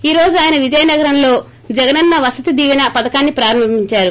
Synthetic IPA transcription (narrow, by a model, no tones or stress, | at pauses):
iːɾo̞ːd͡ʒuaːjɐnɐʋid͡ʒɐjɐnɐɡɐɾɐmlo̞ː | d͡ʒɛɡɐnɐnːɐʋɐsɐt̪id̪iːʋɐnɐpɐd̪ɐkaːnːipɾaːɾɐmɐmiɲt͡ʃaːɾu